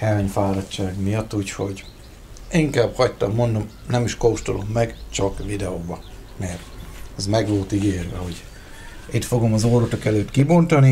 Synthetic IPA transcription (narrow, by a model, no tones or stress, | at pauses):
ɛɲfaːɾɒtt͡ʃːaːɡmijɒt̪ːuːcho̞ɟ | iŋkaːbhɒct̪ɒmːo̞nd̪o̞m | nɛmiʃkowʃt̪olo̞mːɛɡt͡ʃɒkvid̪ɛobɒ | mɛrt̪ɛzmɛɡʋo̞lt̪iɡeːrʋɛ̰ho̞ɟ | it̪fo̞ɡo̞mɒzoːɾot̪okɛløːt̪kibo̞nt̪ɒni